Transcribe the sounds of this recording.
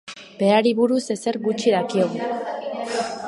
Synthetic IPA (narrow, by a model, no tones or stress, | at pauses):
be̞aɾiβuɾuse̞se̞ɾɡut͡ʃiðakioɣ